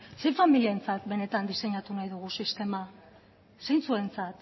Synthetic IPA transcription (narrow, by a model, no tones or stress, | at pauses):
se̞familiaent͡sat̪be̞ne̞t̪and̪ise̞ɲat̪unajðuɣ̞usist̪e̞ma | se̞jnt͡sue̞nt͡sat̪